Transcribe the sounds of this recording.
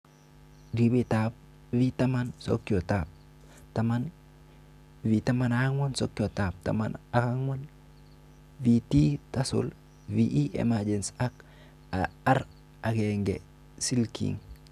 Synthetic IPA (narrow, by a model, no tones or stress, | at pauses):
dibitap̚ | vitamanso̰kːiotap̚ | taman | vitamanaaŋonso̰kiotap̚ta̰ma̰nakaŋon | vititasṵl | viʔiʔḛmad͡ʒensak | aaɾ | akeŋɡḛ | silkḭŋ